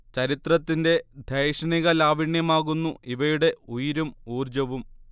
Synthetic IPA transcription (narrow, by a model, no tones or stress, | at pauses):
t͡ɕɐɾit̪rɐt̪ːinde̞d̪ʱejʂɐniɣɐlaːʋiɳjɐmaːɣunːuʔiʋɐjuɽe̞ujiɾumuːrd͡ʑɐʋum